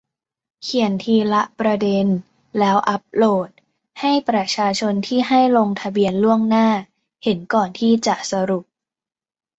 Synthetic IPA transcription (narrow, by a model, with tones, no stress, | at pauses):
kʰi˨˩ənt̪ʰiː˧la˦˥ʔpɾa˧de˧n | lɛː˦˥wʔa˦˥p̚loː˥˩t̪̚ | ha˥˩jpɾa˧t͡ɕʰaː˧t͡ɕʰo˧nt̪ʰiː˥˩ɦa˥˩jlo˧ŋt̪ʰa˧bi˧ənlu˥˩əŋnaː˥˩ | he˩˦nkɔː˨˩nt̪ʰiː˥˩t͡ɕa˨˩ʔsa˧ɾu˨˩p̚